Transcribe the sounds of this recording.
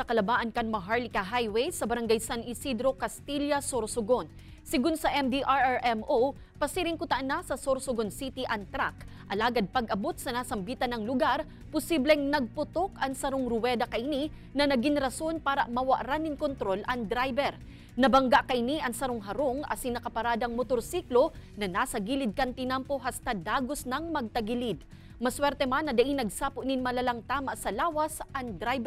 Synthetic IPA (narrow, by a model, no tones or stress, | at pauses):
sɐkɐlɐbaːʔɐnkɐnmɐɦaɹlɪkɐɦajwejsɐbɐɾɐŋɡajsanʔɪsid̪ɾo̞kɐst̪iljɐsoɾsʊɡon | sɪɡunsɐʔɛmd̪iʔaɹaɹʔɛmʔo | pɐsiɾɪŋkʊt̪ɐʔɐnːɐsɐsoɾsʊɡonsit̪iʔɐŋt̪ɾak | ʔɐlaːɡɐd̪̚pɐɡɐbo̞t̪̚sɐnaːsɐmbiːt̪ɐnɐŋlʊɡaɾ | pʊsiblɛŋnɐɡ̚pʊt̪o̞kɐŋsɐɾoŋɾʊwɛd̪ɐkɐʔɪni | nɐnɐɡiŋɾɐso̞npaːɾɐmɐwɐʔɾanɪŋkont̪ɾo̞lʔɐŋd̪ɾajbɛɾ | nɐbɐŋɡaʔkɐʔɪniʔɐŋsɐɾoŋɦɐɾo̞ŋʔɐ̰sɪŋnɐkɐpɐɾaːd̪ɐŋmot̪oɾsiːklonɐnaːsɐɡiːlɪd̪̚kɐnt̪ɪnampo̞ɦɐst̪ad̪aːɡosnɐŋmɐɡ̚t̪ɐɡɪlid̪ | mɐswɛɾt̪ɛmanːɐd̪ɐʔinɐɡ̚saːpʊʔnɪnmɐlalɐŋt̪aːmaʔsɐlaːwɐsʔɐŋd̪ɾajbɛ